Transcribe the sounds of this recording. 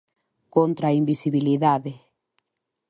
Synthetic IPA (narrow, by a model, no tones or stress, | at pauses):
kont̪ɾaimbisiβiliðaðe